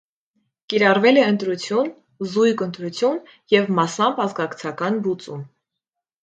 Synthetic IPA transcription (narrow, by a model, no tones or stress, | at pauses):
kiɾɑrvɛlɛənt̪ɾut͡sʰjun | zujkənt̪ɾut͡sʰjun | jɛvmɑsɑmpɑzɡɑkt͡sʰɑkɑnbut͡sṵm